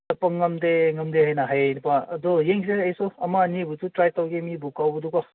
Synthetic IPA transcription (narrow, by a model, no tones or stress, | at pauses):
tɐpɐŋːɐmdeŋɐmd̪eɦajnaɦajnpaɐd̪ɔjeŋseɐjsɔɐmanibututɾajtawɡemibukawbudukɔ